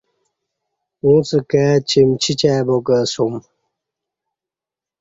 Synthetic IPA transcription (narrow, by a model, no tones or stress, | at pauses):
ũt͡səkat͡ɕʰimt͡ɕʰit͡ɕabokəsum